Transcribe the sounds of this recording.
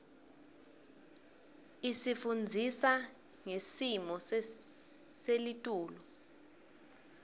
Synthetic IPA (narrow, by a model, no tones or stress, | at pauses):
isifund͡zʱisa | ŋesimɔs | selitʼuːlɔ